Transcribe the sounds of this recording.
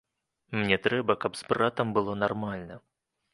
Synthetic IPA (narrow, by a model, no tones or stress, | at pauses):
mnʲɛt̪ɾɛbɐkɐpspɾat̪ɐmbɨlˠɔnarmalʲnɐ